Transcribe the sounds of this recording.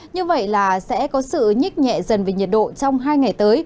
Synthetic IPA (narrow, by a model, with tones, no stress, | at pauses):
ɲɨ˧və̰˧˨jlaː˨˩sɛ̰˧˥kɔ˨˦sɨ̰˧˨ɲi˦˥k̚ɲɛ̰˧˨zə˨˩nve˨˩ɲi˨˩ət̚ɗo̰˧˨t͡ɕɔ˧wŋ͡mɦaː˧jŋa˨˩jt̪əː˨˦j